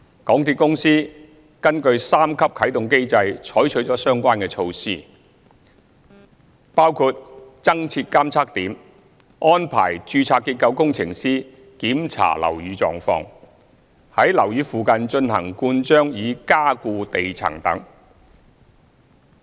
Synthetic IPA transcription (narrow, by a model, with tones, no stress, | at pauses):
kɔː˨˥ŋt̪ʰi˧kʊ˥ŋsiː˥ | kɐ˥nkɵ˧ɥsaː˥mkʰɐ˥p̚kʰɐ˨˥jt̪ʊ˨ŋke˥jt͡sɐ˧jt͡ʃʰɔː˨˥jt͡ʃʰɵ˨˥ɥt͡ʃɔː˨˥sœː˥ŋkʷaː˥nkɛː˧t͡ʃʰo˧wsiː˥ | paː˥wkʰuː˧t̚t͡sɐ˥ŋt͡sʰiː˧t̚kaː˥mt͡sʰaː˥k̚t̪iː˨˥m | ɔː˥npʰa̰ː˨˩jt͡ʃyː˧t͡sʰaː˧kːiː˧t̚kɐ˧wkʊ˥ŋt͡sʰɪ˨˩ŋsiː˥ | kiː˨˥mt͡sʰa̰ː˨˩lɐ̰˨˩wjyː˨˧t͡sɔ̰ː˨ŋfɔ̰ː˧ŋ | hɐ˨˥jlɐ˨˩wjyː˨˧fuː˨kɐ˨nt͡ʃɵ˧nhɐ̰˨˩ŋkuː˧nt͡ʃœː˥ŋjiː˨˧kaː˥kuː˧t̪e˨jt͡sʰɐ̰˨˩ŋt̪ɐ̰˨˥ŋ